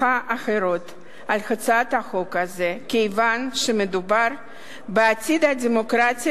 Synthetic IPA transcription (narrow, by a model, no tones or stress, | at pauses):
aʔaxeɾo̞t̪ | alxat͡sat̪aχo̞kaze̞kejvanʃemed̪ubaɾ | beatʲid̪ad̪ʲemo̞kɾatʲi